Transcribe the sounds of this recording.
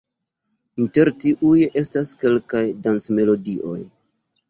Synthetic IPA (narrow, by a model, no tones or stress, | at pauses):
inte̞ɾtiʔuje̞staske̞lkajdant͡sme̞lo̞diʔo̞̰j